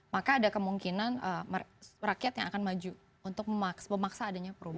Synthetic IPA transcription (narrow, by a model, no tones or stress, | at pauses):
makaːdakəmuŋkinanəmrakjat̪jaŋakanmad͡ʒu | unt̪ʊk̚məmaksbəmaksaːdaɲapəɾuba